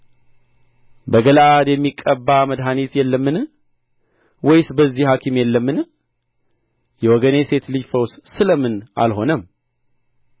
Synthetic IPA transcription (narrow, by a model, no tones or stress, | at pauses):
bəɡəlad̪jɛmːikʼːəbːaməd̪ɦanit̪jɛlːəmːɨn | wɔjsbəzːihakʰimjɛlːəmːɨn | jɛwɔɡənese̞t̪lɨd͡ʒfəwssɨləmɨna̰lɦo̞nəm